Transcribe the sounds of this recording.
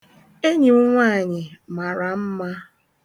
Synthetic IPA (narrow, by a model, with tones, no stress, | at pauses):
e˦ɲi˨ʊ˦ŋʷa˦˨ɲɪ˨ma˨ɾa˨m̩˦ma˦